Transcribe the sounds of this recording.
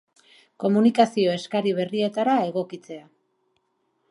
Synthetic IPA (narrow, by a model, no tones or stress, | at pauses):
ko̞munikasio̞e̞skaɾiβ̞e̞rie̞t̪aɾae̞ɣ̞o̞kit͡se̞a